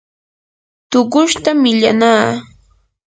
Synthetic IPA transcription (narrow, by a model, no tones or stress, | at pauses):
t̪ʊɢʊʃt̪amːɪʎanaː